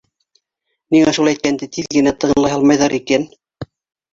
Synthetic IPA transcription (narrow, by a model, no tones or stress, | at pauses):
niŋæʃulˠæjt̪̚kænd̪ɘt̪iðɡɘ̆næt̪ːɤ̆nllˠɑjɦɑlˠmɑjðɑɾiken